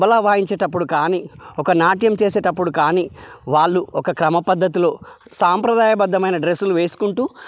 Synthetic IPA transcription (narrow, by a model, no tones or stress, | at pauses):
bɐlaːʋaːjiɲt͡ʃeːʈɐpːuɽukaːniːɔkɐnaːʈjɐmt͡ʃe̞ːseːʈɐpːuɽukaːniːʋaːɭːuɔkɐkɾɐmɐpɐd̪ʱːɐt̪̬iloːsaːmpɾɐd̪aːjɐbɐd̪ːɐmɐjnɐɖɾe̞suluʋeːsu̥kuɳʈuː